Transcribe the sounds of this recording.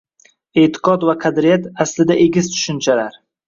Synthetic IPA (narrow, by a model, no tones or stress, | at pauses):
e̞t̪ʰɪ̥qɒd̪vaqʰɑd̪ɾijat̪aslɪd̪aʔeɡʲɪzt̪ʰʊ̥ʃʊnt͡ʃʰalaɾ